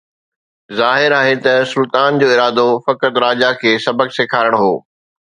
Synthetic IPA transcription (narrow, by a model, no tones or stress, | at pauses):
zaːɦɪɾaːɦet̪ɐsʊlt̪aːnd͡ʑoːɪɾaːd̪ofɐkət̪ɾaːd͡ʑakʰeːsɐbəɡseːkʰaːɾəɽ̃ɦoː